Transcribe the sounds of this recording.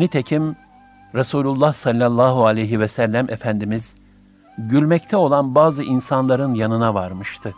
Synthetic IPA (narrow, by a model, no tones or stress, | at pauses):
nit̪ʰecʰim | ɾasuːlʲulˠːahsalʲːalˠːaːɦualʲejɦivɛsælʲːæmʔefænd̪imiz | ɟylʲmɛct̪ʰɛo̞lˠanbaːzɯʔinsanlˠaɾɯnjanɯnavaɾmɯʃt̪ʰɯ